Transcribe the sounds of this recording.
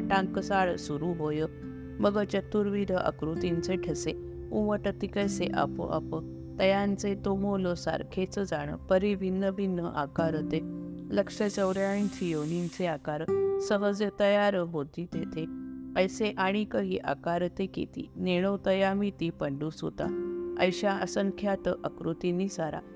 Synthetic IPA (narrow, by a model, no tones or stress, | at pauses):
ʈãŋkəsaɭsuɾuɦojə | məɡət͡ɕət̪ːuɾʋiɾəʔə̰kɾut̪int͡seʈʰəse | uməʈət̪ikəjseʔa̰pə̰ʔə̰pə | t̪əjãnt͡set̪omolosa̰ɾkʰet͡səd͡zaɽ̃ə̰pəɾiʋinːəbinːəʔakaɾət̪eləkʂət͡səwɾjaĩt͡ɕʰijonint͡seakaɾsəɦəd͡zət̪əjaɾəbod̪ʱit̪et̪eəjseʔaɽ̃ikəɦiʔakaɾt̪ekḛt̪ḭːneɽ̃ot̪əjamit̪ipəɳɖuso̰t̪a̰ə̰jɕaəsəŋkʰjat̪ʔəkɾut̪inisaɾa̰